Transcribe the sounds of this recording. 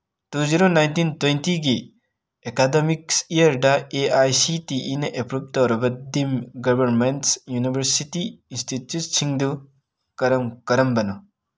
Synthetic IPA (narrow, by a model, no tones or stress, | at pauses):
tuziɾonajntintwentiɡi | ekademiksijɐɾdaeajsitiʔinɐʔepɾub̚tɐwɾɐbɐdimɡɔbɐɾmentsjunibʱɐɾsitiinstitjut̚siŋdu | kɐɾɐmkɐɾɐmbɐnɔ